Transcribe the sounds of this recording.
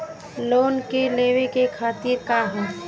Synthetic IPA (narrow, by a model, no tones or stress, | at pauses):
loːnkeleːwekekʰaːt̪iɾkaɦɛː